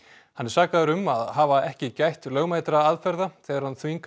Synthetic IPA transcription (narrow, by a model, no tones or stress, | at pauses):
hanːɛɾ̥saːkaðʏɾʏmaðɦaːvaɛhcɪcajht̪lœːɣmajt̪ɾaaðfɛɾðaθɛːɣaɾ̥hanθviŋk